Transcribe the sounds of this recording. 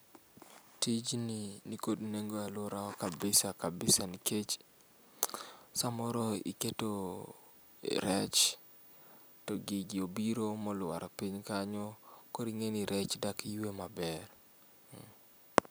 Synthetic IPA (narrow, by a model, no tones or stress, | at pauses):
tid͡ʒninikodneŋɡoalʊɾaɔkabɪsakabɪsaniket͡ʃ | samɔɾɔḭketo | ɾɛt͡ʃ | tɔɡiɡɪobiɾomɔlʊwa̰ɾapiɲkaɲɔkoɾiŋeniɾɛt͡ʃdakjwemabɛr